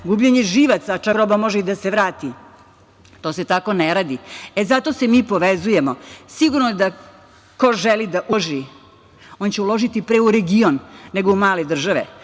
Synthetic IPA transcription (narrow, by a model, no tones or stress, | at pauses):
ɡubʎeɲeʒiʋat̪sat͡ʃakɾobamo̞ʒeid̪aseʋɾaːt̪i | t̪o̞ːse̞t̪ako̞neɾaːd̪iezat̪o̞semiːpo̞ʋezuje̞mosiɡuɾnod̪a | koʒelid̪aʔuʒi | o̞nt͡ɕeulo̞ʒit̪ipɾe̞uɾeɡionːe̞ɡoumaːled̪r̩ʒaʋḛ